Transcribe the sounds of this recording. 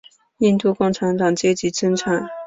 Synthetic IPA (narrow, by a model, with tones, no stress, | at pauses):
i˥˧nt̪u˥˧kʊ˥˩ŋʈ͡ʂʰa˧˥nt̪ɑ˨˩ŋt͡ɕjɛ˥t͡ɕi˧˥ʈ͡ʂə˥nʈ͡ʂʰa˨˩˦n